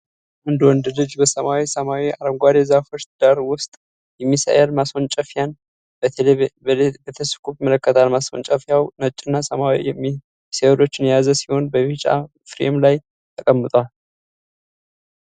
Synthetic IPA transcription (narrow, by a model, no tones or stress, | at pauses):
ʔɨnd̪wɔnd̪ɨd̪ɨd͡ʒbəsəmawisəmawiaɾəmɡʷad̪ezafot͡ʃt̪d̪̥aɾwʊst̪ʼ | jɛmːisa̰jalmasont͡ʃʼəfjan | b | bət̪ʰəskʰʼubmələkːət̪ʰalmaso̰nt͡ʃʼəfjawnət͡ʃʼːɨnːasəmawḭjɛmːi | sewlo̞t͡ʃːɪnjazəsi̥ho̞nbəβit͡ʃʼa̰ | fɾḛmlaj | t̪ʰəkʼəmːɨt̪ʼwal